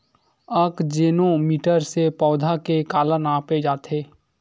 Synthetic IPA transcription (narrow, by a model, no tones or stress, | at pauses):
əkd͡ʒeːnõmiːʈəɾsepɔːd̪ʱakekaːlənaːped͡ʒaːt̪ʰeː